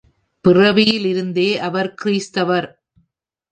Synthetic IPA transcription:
pɪrɐʋɪjɪlɪɾɯnd̪eːʔɐʋɐɾkɪɾiːst̪ɐʋɐɾ

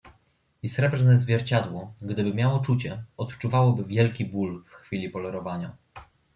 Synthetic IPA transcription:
isɾɛbʐnɛzvʲjɛɾt͡ɕad̪wɔɡd̪ɘbɘmʲjawɔt͡ʂut͡ɕɛɔt̪t͡ʂuvawɔbɘvʲjɛlkʲibulfxfʲilʲipɔlɛɾɔvaɲa

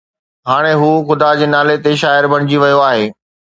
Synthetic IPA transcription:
ɦaːɽ̃eɦuːxʊd̪ad͡ʑeːnaːlet̪eʃ̬aːɪɾbʱɐɽ̃ɪd͡ʑiʋɐjoaːɦeː

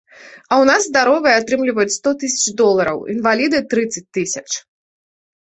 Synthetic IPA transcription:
ɐwnazːd̪aɾɔvɨjɛat̪ɾɨmlʲivɐjut͡sʲst̪ɔt̪ɨsʲɐ̥t͡ʂd̪ɔlˠɐɾɐ̰wḭnvalʲid̪ɨt̪ɾɨt̪sɐt͡s̚ʲt̪ɨsʲɐt͡ʂ

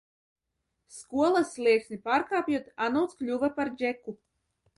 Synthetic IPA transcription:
skuɔlˠaslʲˠiɛksnipaːɾkaːpʲjuɔt̪anɔwt̪sklʲuvapaɾd͡ʒeku

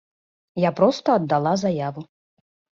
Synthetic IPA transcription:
japɾɔst̪ɐːd̪ːalˠazajavu

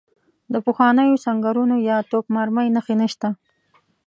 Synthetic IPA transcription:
d̪əpəxwɑnəjosaŋɡaɾunojɑt̪okmaɾməjnəxenəʃt̪a

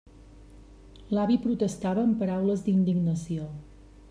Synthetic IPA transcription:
laβipɾut̪əst̪aβəːmpəɾawləzd̪ind̪iɡnəsio

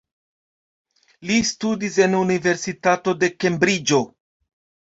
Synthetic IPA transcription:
listudis̬e̞nunive̞ɾsitato̞de̞ke̞mbɾid͡ʒo̞

